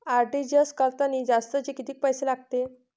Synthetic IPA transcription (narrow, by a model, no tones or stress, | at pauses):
aɾɖid͡ʑəskəɾt̪aniːd͡zast̪ət͡ɕekit̪iːk̚pəjselaɡ̚t̪e